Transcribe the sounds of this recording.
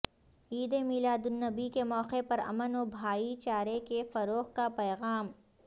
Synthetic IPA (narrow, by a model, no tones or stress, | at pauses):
iːd̪emilaːd̪ʊnːɐbikemɔːqepɐɾɐ̰mənoːbʱaːit͡ʃaːɾekefɐɾoːxkapɛːɣaːm